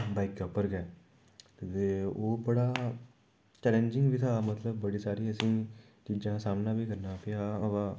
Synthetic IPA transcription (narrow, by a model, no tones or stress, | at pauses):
baɪkːoːpəɾɡɛː | t̪t̪eːoːbəɽaː | t͡ʃɛːlə̃nd͡ʒɪ̃ŋɡʋiːt̪ʰaːmət̪ləbːəɽiːsaːɾiːəsĩː | t͡ʃiːd͡ʒãːsaːmnãːʋiːkəɾnaːpʰɪɾaʋaː